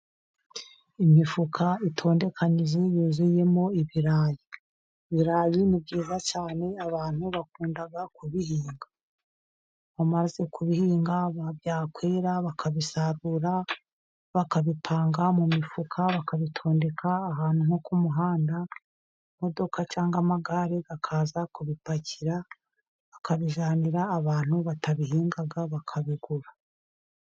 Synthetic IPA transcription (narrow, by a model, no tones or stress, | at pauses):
imifukʰaitʰo̞ːnde̞kʰaɲizijuːzuje̞mo̞iβiɾaːji | βiɾaːjinib̚ɡiːzat͡ʃaːne̞aβaːn̥huβakuːndaɡakuβiɦiːŋɡa | mamaze̞kuβihiːŋɡaβavjaːkweːɾaβakʰaβisaɾuɾa | βakaβipʰaːŋɡamumifukʰaβakaβitʰo̞ːnde̞kʰaːɦaːn̥humo̞kumuɦaːnda | mo̞do̞kʰat͡ʃaːŋɡamaɡaɾeɡakʰaːzakuβipaciɾa | βakaβiʒaːniɾaːβaːn̥huβataβiɦiːŋɡaɡaβakʰaβiɡuɾa